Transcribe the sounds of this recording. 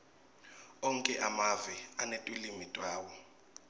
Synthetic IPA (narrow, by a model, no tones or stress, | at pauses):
ɔŋkʼɛʔamavianetʼwilimitʼwaːwɔ